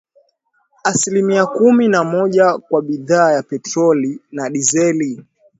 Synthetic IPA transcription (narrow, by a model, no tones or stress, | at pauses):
asilimiakuminamɔʄakwaɓiðaːjapɛtɾɔlinaɗizɛli